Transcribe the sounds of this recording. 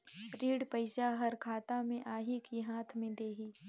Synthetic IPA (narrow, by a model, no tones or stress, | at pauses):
ɾiːɽpəɪʃaɦɐɾkʰaːt̪amẽʔaːɦikiɦaːt̪ʰmẽd̪eːɦiː